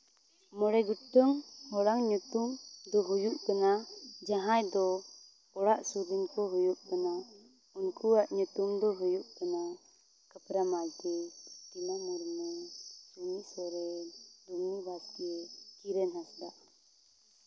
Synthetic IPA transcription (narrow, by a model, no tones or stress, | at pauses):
mɔɽɛɡutəŋhɔɽaŋɲut̪umd̪ɔɦujuʔkənad͡ʒaɦajd̪ɔ | ɔɽaʔsud̪inkɔɦujuʔkɔna | unkuaʔɲut̪umd̪ɔɦujuʔkəna | kapɾamald͡ʒɛt̪inamuɾmɔt͡ʃuŋisɔɾɛnduŋibaskiɛkiɾɛnɦasd̪aʔ